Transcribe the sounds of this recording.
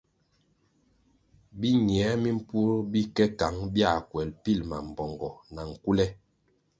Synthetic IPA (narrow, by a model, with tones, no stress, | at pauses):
bi˦ɲi˨ɛ˨˦mi˦m̩˦pu˦ɾbi˦kɛ˦ka˨˦ŋbja˦˨kwɛ˨lpi˦˨lma˨m̩˨bɔ˨ŋɡɔ˨na˨ŋ̩˨ku˦lɛ˦